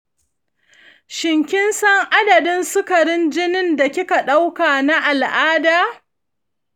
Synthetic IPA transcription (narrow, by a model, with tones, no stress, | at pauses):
ʃɪ˨ŋkʲɪ˦nsɐ˦ŋʔa˦dɐ˨dɪ˦nsʊ˦kɐ˨ɾɪ˦nd͡ʒɪ˦nɪ˦nda˨kʲɪ˦ka˨ɗa˦wkaː˨na˦ʔa˨lʔaː˦daː˨